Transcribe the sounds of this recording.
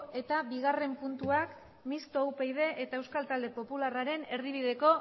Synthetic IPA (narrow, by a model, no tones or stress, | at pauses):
e̞t̪abiɣare̞mpunt̪uak | mist̪owpejðe̞ʔet̪aewskalt̪ald̪e̞po̞pularaɾe̞ne̞ɾðiβ̞iðe̞ko̞